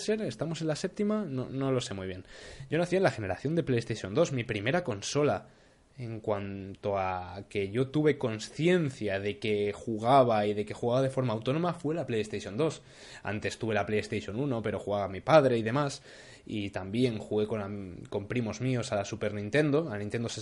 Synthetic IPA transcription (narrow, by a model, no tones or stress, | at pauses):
se̞ɾe̞st̪amo̞se̞nlase̞p̚t̪imanono̞lo̞se̞mujβ̞je̞nɟ͡ʝo̞naθienlaxe̞ne̞ɾaθjo̞nd̪e̞pleest̪eʃjo̞nd̪o̞zmipɾime̞ɾako̞nso̞la | eŋkwant̪o̞ake̞ʝo̞t̪uβe̞ko̞nsθje̞nθjað̞e̞ke̞xuɣ̞aβ̞aiðe̞ke̞xuɣaβaðe̞fo̞ɾmaːwt̪o̞no̞mafwe̞laplejest̪eʃjo̞nd̪o̞s | a̰nt̪e̞st̪uβe̞laplejest̪eʃjo̞nuno̞pe̞ɾo̞xuɣaβamipað̞ɾe̞ið̞e̞mas | it̪ambje̞ŋxuɣe̞ko̞nako̞mpɾimo̞zmio̞salasupe̞ɾnĩnt̪e̞nd̪o̞anint̪e̞nd̪ose